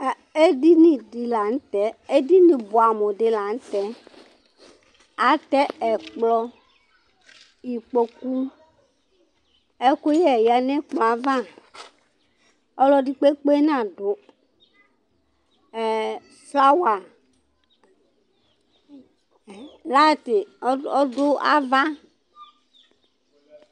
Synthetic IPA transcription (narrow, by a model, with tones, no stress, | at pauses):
e˦di˦nĩ˨di˨la˨ŋ̩˦t̪ɛ˨˦e˦di˦nĩ˨bʊ˨a˨mõ˨dɪ˨la˨ŋ̩˦t̪ɛ˨˦ | a˨t̪ɛ˦ɛ˨k͡plɔ˦ | ji˨k͡po˦ku˦ | e˦ko˦jɛ˦˨ja˨nɛ̃˦k͡pl̃a˨˦vã˦˨ | ɔ˦lɔ˦di˦k͡pe˦k͡pe˦nã˦˨do˨ | sla˦wa˨ | la˦˨t̪ɪ˨˦ɔ˦dʊ˦a̰˦va˦